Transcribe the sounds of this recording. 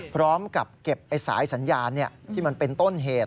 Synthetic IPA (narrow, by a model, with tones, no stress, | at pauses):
pʰɾɔː˦˥mka˨˩p̚ke˨˩p̚ʔa˧jsa̰ː˩˦jsa˩˦njaː˧nːi˥˩ɐt̪ʰiː˥˩ma˧npe˧nt̪o˥˩nɦeː˨˩